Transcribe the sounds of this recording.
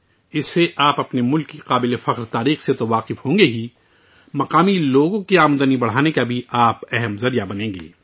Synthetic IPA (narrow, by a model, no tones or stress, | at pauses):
ɪsːeʔaːpɐpnemʊlkːiqaːbɪlefɐqɾt̪aːɾiːxset̪oʋaːqɪfhõːŋɡeɦi | mɐqaːmiloːɡõkiaːmd̪ənibɐɽ̤aːnekabʱiʔaːpɛɦɛmzɐɾijabɐnẽːŋɡḛː